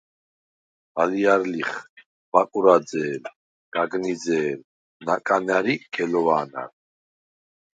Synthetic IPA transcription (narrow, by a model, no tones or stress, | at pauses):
baliaɾliχ | bakʼuɾad͡zɛːl | ɡ̥aɡnizɛːl | nakʼanaɾikʰɛlɔvaːna̰ɾ